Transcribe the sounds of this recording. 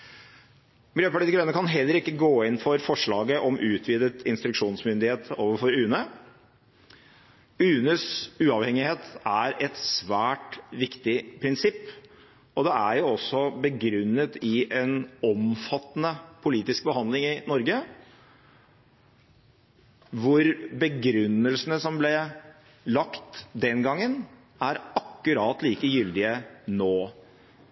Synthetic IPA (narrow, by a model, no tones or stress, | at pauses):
mɪljøːpɑʈiːɪɾɛnːəkʰɑnɦɛlːəɾɪkːəɡoːɪnfɔɾfɔʂɭɑːɡəʔɔmʔʉːt̪ʰʋiːd̪ət̪ʰɪnst̪ɾʉkʂuːnsmʏnd̪ɪheːt̪oːʋəɾfɔɾʉːnə | ʉːnəsʉːɑʋhɛŋɪheːt̪æɾɛt̪sʋæːʈʋɪkt̪ɪpʰɾɪnsɪpː | ɔd̪ɛæɾjʊɔsːɔbəɡɾʉnːət̪ɪʔɛnɔmfɑt̪ːnəpʰʊliːt̪ɪsk̚bəhɑnd̪lɪŋɪnɔɾɡə | ʋʊɾbəɡɾʉnːəlsənəsɔmblɛ | lɑkt̪d̪ɛnɡɑŋːən | æɾɑkːʉɾɑːt̪liːkəjʏld̪ɪənoː